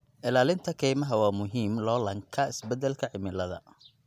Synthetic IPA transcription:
ʔɪlaːlɪnt̪ʰɐkʰɛjmɐɦɐwɑːmʊɦiːmlɔːlɐŋkʰɐɪsbɛd̪ɛlkʰɐʕɪmɪlɐðɐ̰

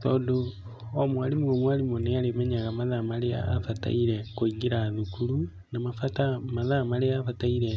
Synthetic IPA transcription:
tɔːdoː | mwalimuɣomwalimoneaɾemɛɲaɣamaðamalea̰ːfata̰iɾekoiŋɡiɾaðukulu | namafatamaðamaleafataiɾe

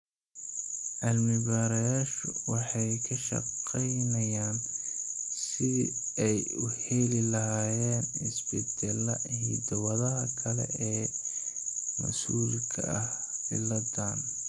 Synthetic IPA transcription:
ʔɐlmɪbaːɾɐjaːʃʊ̰wɑħɑjkʰɐʃɐ̰qɛjnɐjaːn | sɪðḭɛjʊhɛlɪlɐɦaːjɛːnɪsbɪd̪ɛlɐ̰hḭd̪ɐwɐðɐɦɐkʰɐlɛ̰ʔɛː | mɐ̰suːlkʰɐ̰ʔɐh | ɪ̰lɐd̪aːn

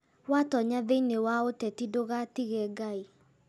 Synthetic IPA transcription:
watɔɲaðeinewaotɛtidoɣatiɣɛɡai

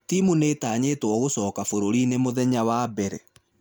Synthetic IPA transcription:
timuneːtaːɲeːtwɔɣosɔːkafoɾoɾinemoðɛɲawaːbɛɾɛ

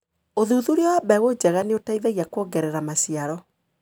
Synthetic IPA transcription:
oðuðuoɾeɔwabɛɣod͡ʑɛɣaneotaiðɛɣiakwɔɡɛɾɛɾamasiaɾɔ

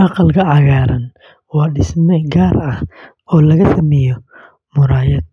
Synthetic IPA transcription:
ʔɑqɑlkʰɐʕɑɣaːɾɐn | wɑːɖɪsmɛɡaːɾɐh | ɔːlɐɣɐsɐmɛjɔ | mʊɾaːjɐd̪

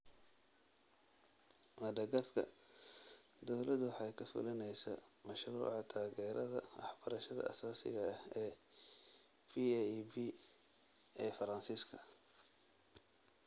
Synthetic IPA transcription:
mɐɖɐɡɐskʰɐ̰ | d̪ɔwlɐðʊwɑħɑjkʰɐfʊ̰lɐnɛjsɐ̰mɐʃrṵːʕɑt̪ʰaːɣɛːɾɐðɐ̰wɑ̰ħb̥ɐɾɐʃɐðɐ̰ʔɐ̰saːsɪ̰ɣɐhɛː | fibi | ɛːfɐɾɐnsiːskʰɐ

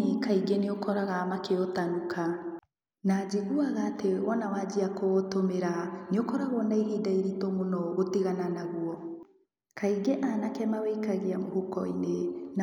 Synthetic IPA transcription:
ikaiɡeneokʰɔɾaɣamakeotanukʰa | nad͡ʒiɣuaɣaːtewɔnawad͡ʒiakotomeɾaneokɔɾaɣɔnaiɣiːdaiɾitomonɔɣotiɣananaɣwɔ | kʰaiɡeʔanakɛmawɛikaɣeamohukɔinena

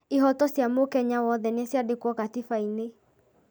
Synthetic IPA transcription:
iɦɔtɔsjamokɛɲawɔðɛneɛsjadekwɔkatifaine

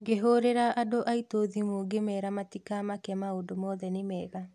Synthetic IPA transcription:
ɡeɦoɾeɾaʔadoʔaitoðimoɡemɛːɾamatikamakɛmaodomɔðɛnemɛːβa

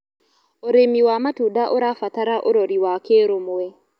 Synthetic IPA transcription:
oɾemiwamatudaʔoɾafataɾaʔoɾoɾiwakeɾomwɛ

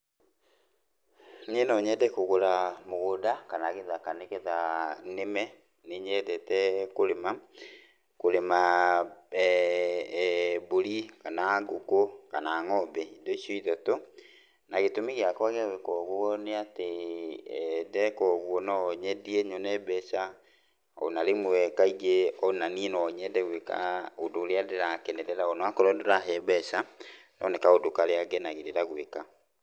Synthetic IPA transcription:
ɲenɔɲɛdɛkoɣoɾamoɣodakanaɣeðakanekeðanemɛ | neɲɛdɛtɛkoɾema | koɾema | boɾikanaɡokokanaŋɔbɛidoiʃoiðato | naɣetomiɣeakwaɣeaɣekɔːɣwɔneate | dɛkɔɣwɔnɔɲɛdiɛɲɔnɛbɛʃa | ɔ̰naɾemoɛkaiɣeɔnaninɔɲɛdɛɣweka̰odoːɾeadeɾakɛnɛɾɛɾaɔnɔakɔɾɔdoɾaɦɛbɛʃa | nɔnɛkaodokaɾeaɡɛnaɣeɾeɾaɣweka

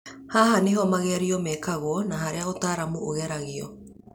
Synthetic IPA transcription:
haːhaneɦɔmaɣɛaɾiɔmɛkaɣonaɦaɾeaotaːɾamuoɣɛɾaɣiɔ̰

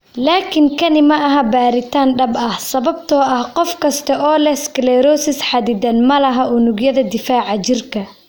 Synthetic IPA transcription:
laːkʰɪŋkʰɐnɪmɐɐɦɐbaːɾɪt̪ʰaːnɖɐbɐhsɐβɐbt̪ʰɔːʔɐhqɔfkʰɐst̪ʰɐʔɔːlɛsklɛɾɔːsɪsħɑd̪ɪd̪ɐnmɐlɐɦɐʔʊnʊɡjɐðɐd̪ɪfaːʕɑt͡ʃɪrkʰɐ

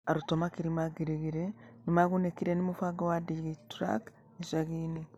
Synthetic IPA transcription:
aɾutomakiɾimaɡiɾiɣiɾenimaɣunekiɾenimufaɡowadiɡitɾa̰k | eʃaɣiːni

